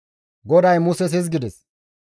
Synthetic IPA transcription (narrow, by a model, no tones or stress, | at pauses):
ɡɔd̪ɐjmʊsɛs̬ɪs̬ɡɪd̪ɛs